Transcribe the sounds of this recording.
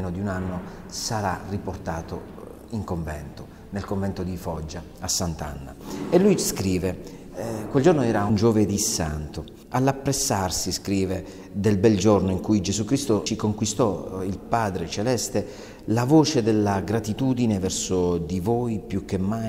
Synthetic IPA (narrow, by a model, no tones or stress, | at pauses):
nod̪iunanːo | saɾa̰rːiport̪aːt̪o̰ | iŋkoɱvɛ̰nt̪o | nelkoɱvɛnt̪od̪ifɔd͡ʒːa | asːant̪a̰nːa̰elːujskɾiːve | kweld͡ʒornoɛːɾaund͡ʒoved̪isa̰nt̪o | alːapːɾesːarsiskɾiːve | d̪elbɛld͡ʒornoiŋkujd͡ʒezukɾist̪ot͡ʃikoŋkwist̪ɔilpaːd̪ɾet͡ʃelɛst̪e | lavoːt͡ʃed̪elːaɡɾat̪it̪uːd̪inevɛrsod̪ivoːjpjuk̟ːemːa